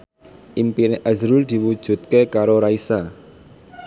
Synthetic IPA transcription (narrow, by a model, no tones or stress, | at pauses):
ʔimpineʔazɾuld̪̥i̤wud̥ʒ̥ṳt̪̚kekaɾoɾaisa